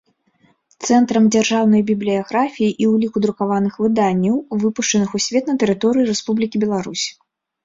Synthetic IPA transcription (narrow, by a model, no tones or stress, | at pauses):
t̪sɛnt̪ɾɐmd͡zʲarʐawnɐjbʲiblʲiaɣɾafʲijiʔiwlʲikud̪ɾukavanɨxvɨd̪anʲːɐwvɨpuʂt͡ʂɐnɨxusʲvʲɛt̪nɐt̪ɛɾɨt̪ɔɾɨjiɾɛspublʲikʲibʲɛlˠaɾusʲ